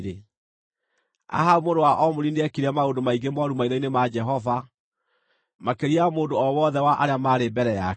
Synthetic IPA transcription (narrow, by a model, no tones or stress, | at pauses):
ɾe | a̰ɦaomodowaʔɔmoɾineɛkiɾɛmaondomaiɡemɔɾumaiɾɔinemad͡ʒɛɦɔva | makeɾiamoːndoɔwɔðɛwaʔaɾeamaːɾebɛɾɛa